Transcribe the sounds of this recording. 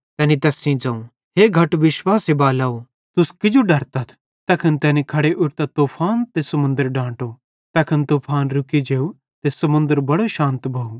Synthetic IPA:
t̪ɛːnit̪ɛːsĩd͡zɐ̃ːũ | ɦeːɡʱɐʈʋɪʃwaːsebaːlaːo | t̪ʊskɪd͡ʒoɖɐɾt̪ɐt̪ʰ | t̪ɛːkʰɐnt̪ɛːnikʰɐɽeʔʊʈt̪at̪oːpʰaːnt̪esɐmʊ̃nd̪əɾɖãːʈo | t̪ɐːkʰɐnt̪oːpʰaːnɾʊkid͡ʒeːu | t̪esɐmʊ̃nd̪əɾbɐɽoʃãːnt̪bʱɐu

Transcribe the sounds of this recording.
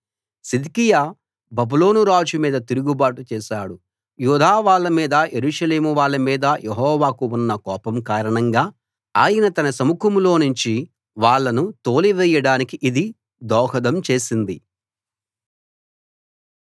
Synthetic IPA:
sid̪ikijaː | bɐbulo̞ːnuɾaːd͡ʒumiːd̪ɐt̪iɾuɡubaːʈut͡ʃɛːʃaːɽu | juːd̪ʱaːʋaːɭːɐmiːd̪ɐjeɾuːʂɐle̞ːmuʋaːɭːɐmiːd̪ɐjʔeɦɔːʋaːkuunːɐkɔːpɐmkaːɾɐɳɐŋɡaː | aːjɐnɐt̪ɐnɐsɐmukɐmulo̞ːnuɲt͡ʃi | ʋaːɭːɐnut̪o̞ːliʋɛjɐɽaːnikiʔid̪i | d̪ɔːɦɐd̪ɐmt͡ʃe̞ːsind̪i

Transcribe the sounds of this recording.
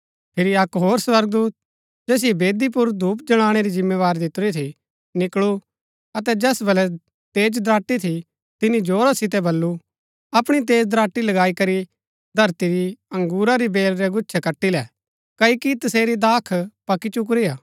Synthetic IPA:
pʰɪɾiɐkɦoːɾswɐɾɡ̚d̪uːt̪̚ | d͡ʒɛːs̬ɪɛbeːd̪ip̬ʊɾd̪uːpd͡ʒɐɽ̃aːɽ̃eɾid͡ʒɪmːeʋaːɾd̪ɪt̪ɾit̪ʰi | nɪkɭu | ɐt̪̬ɛd͡ʒɛːsbɐlɛ | t̪eːd͡ʒd̪ɾaːʈːit̪ʰi | t̪ɪnid͡ʒoːɾasɪt̪̬ɛbɐlːu | ɐpɽ̃it̪̬eːd͡ʒd̪ɾaːʈːilɐɡaːikɐɾi | d̪ʱɐɾt̪iɾiɐ̃ŋɡuːɾaɾibeːlɾɛɡʊːʃʰɛkɐʈːilɛ | kɐikit̪ɐseːɾid̪aːkʰpɐkit͡ʃʊk̬ɾiaː

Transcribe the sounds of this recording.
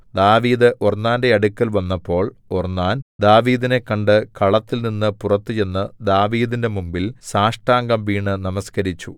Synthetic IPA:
d̪aːʋiːðɨʔornːaːnde̞ɐɽukʲːɐlʋɐnːɐpːo̞ːɭornːaːnd̪aːʋiːðine̞kːɐɳɖɨkɐɭɐt̪ːilninːɨpurɐt̪ːɨje̞nːɨd̪aːʋiːðinde̞mumbilsaːʂʈaːŋɡɐmʋiːɳɨnɐmɐskɐɾit͡ɕːu

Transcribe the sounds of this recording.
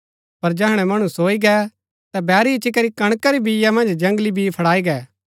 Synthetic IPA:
pɐɾd͡ʒɛɦɽ̃ɛmɐɽ̃ũsoːiɡɛ | t̪ɛbɛːɾit͡ʃikɐɾikɐɽ̃kaɾibijamɐ̃nd͡ʒd͡ʒɐ̃ŋɡlibʱipʰɐɽaːiɡɛː

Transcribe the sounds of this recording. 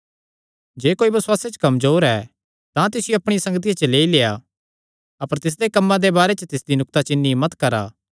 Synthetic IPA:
d͡ʒeːkoːibɐswaːset͡ʃkɐmzoːɾɛ | t̪ãt̪ɪsɪjoɐpɽ̃ɪjsɐ̃ŋɡət̪̬ijat͡ʃleːileːa | ɐpəɾt̪ɪs̬d̪ekɐmːãd̪ebaːɾet͡ʃət̪ɪsd̪inʊk̚t̪at͡ʃɪnːimɐt̪kɐɾa̰ː

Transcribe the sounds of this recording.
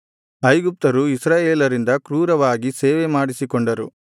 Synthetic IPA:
ɐjɡup̚t̪ɐɾuisɾaːjeːlɐɾind̪ɐkɾuːɾɐʋaːɡiseːʋemaːɽisikoɳɖɐɾṵ

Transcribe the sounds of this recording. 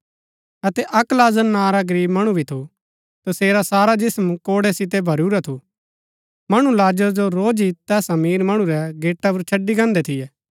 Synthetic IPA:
ɐt̪ɛʔɐklaːd͡ʒənnːãːɾaɡəɾiːbmɐɽ̃ubʱit̪ʰu | t̪ɐseːɾasaːɾad͡ʒɪsmkoːɽɛsɪt̪̬ɛbʱɐɾuɾat̪ʰu | mɐɽ̃ulaːd͡ʒəɾd͡ʒoɾoːd͡ʒit̪ɛːsɐmiːɾmɐɽ̃ũɾɛɡeːʈːapɐɾt͡ʃʰɐɖːiɡãːnd̪ɛt̪ʰɪjɛː

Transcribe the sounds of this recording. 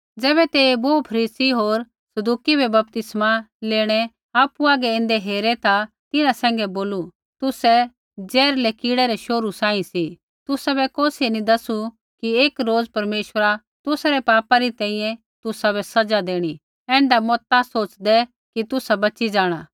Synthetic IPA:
d͡zɛːbɛt̪eːboːpʰɐɾiːsiɦoːɾ | sɐd̪uːkibʱɛbɐp̚t̪ɪsmaleːɽ̃ɛ | aːpuaːɡɛɪ̃nd̪ɛɦeːɾɛt̪a | t̪ɪnãsɛ̃ːŋɡɛboːlu | t̪ʊsɛ | d͡zɛːɾlɛkiːɽɛɾɛʃoːɾusãːĩsi | t̪ʊsabɛkoːsinĩd̪ɐsu | kieːkɾoːd͡zpɐɾmeːʃəɾa | t̪ʊsaɾɛpaːpaɾit̪ɛ̃ːĩjɛ̃ | t̪ʊsabɛsɐd͡zad̪eːɽ̃i | ɛ̃ːɳɖamɔːt̪asoːt͡ʃd̪ɛ | kit̪ʊsabɐːt͡ʃid͡ʒaːɽ̃aː

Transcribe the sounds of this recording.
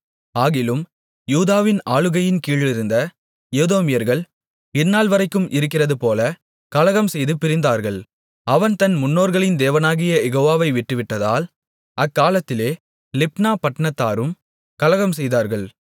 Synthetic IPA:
aːɣɪlɯm | juːðaːʋɪnaːɭɯɣɐjɪnkiːɭɪɾɯnd̪ɐ | joːðoːmɪjɐɾɣɐɭ | ɪnːaːlʋɐɾɐɪkːɯmʔɪɾɯk̬ːɪrɐðɯpoːlɐ | kɐlɐɣɐmsɛjðɯpɪɾɪnd̪aːɾɣɐɭ | ɐʋɐnt̪ɐnmʊnːoːɾɣɐɭɪnd̪eːʋɐnaːɣɪjɐjɛɣoːʋaːʋɐɪʋɪʈːɯʋɪʈːɐða̰ːl | ʔɐkːaːlɐt̪ːɪleː | lɪp̚naːpɐʈːɐɳɐt̪ːaːɾɯm | kɐlɐɣɐmsɛjðaːɾɣɐɭ

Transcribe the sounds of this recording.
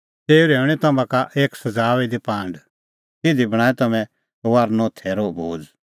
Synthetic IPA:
t̪eːuɾeːʊɽ̃it̪ɐmãkaʔeːksɐd͡zaːʋid̪ipãːɳɖ | t̪ɪd̪ibɐɽ̃aːɛt̪ɐmɛ̃ | ʋaːɾnɔ̃ːt̪ʰɛɾobʱoːd͡z

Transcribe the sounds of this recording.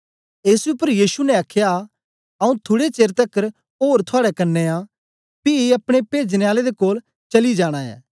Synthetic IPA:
eːsʊpːəɾjiːsunɛaːkʰːja | ɐũt̪ʰʊɽet͡ʃeːɾt̪ɐkːəɾ | ɦoːɾt̪ʰʊaːɽɛkɐnːeã | piɐpɽ̃epeːd͡ʒneaːled̪ekoːl | t͡ʃɐlid͡ʒaːɽ̃aɛ̰ː

